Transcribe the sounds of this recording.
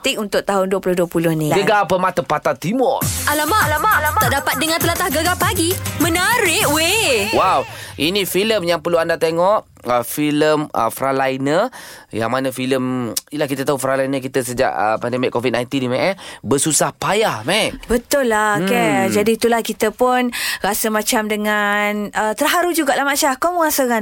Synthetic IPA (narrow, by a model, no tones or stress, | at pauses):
t̪ɪk̚unt̪ʊʔ̚t̪aɦʊnduwəpulʊhduəpulʊhnĩɡəɡapəmat̪əmpat̪ant̪imɔrʔalamalaat̪aʔdapat̪̚dəŋãnt̪əlat̪ahɡəɡapaɡimənaɾɪʔwewawʔinifiləmjaŋpərluandat̪eŋɔʔ | əfiləmə̰fɾalajnəja̰ŋmanəfiləmilahkit̪at̪aufɾalajnəkit̪əsəd͡ʒa̰ʔə̰pandemɪkːovit̪̚najnt̪indimɛ̃ʔɛbəsusahpajahmɛnbət̪ʊlːaked͡ʒadiːt̪ulahkit̪əpʊnɾasəmãt͡ʃamdəŋanət̪ərɦaɾud͡ʒuɡaʔlahmaʃahkomuŋasoɣan